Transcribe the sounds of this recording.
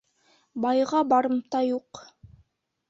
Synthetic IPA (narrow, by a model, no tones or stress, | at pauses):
bɑjʁɑbɑɾɤ̆mt̪ɑjuq